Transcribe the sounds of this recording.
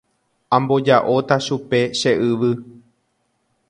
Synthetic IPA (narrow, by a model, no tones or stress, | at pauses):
ãmbo̞d͡ʒaʔo̞t̪aʃupe̞ʃe̞ʔɨʋɨ